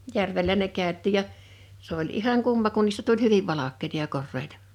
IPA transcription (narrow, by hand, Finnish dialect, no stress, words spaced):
jærʋelːæ ne kæˑøtˑiˑ jɑ s olʲ ihɑŋ kumːɑ kun niːstæ tulʲ hyʋiʋ ʋɑlɑkˑeĭtɑ jɑ korːeitɑ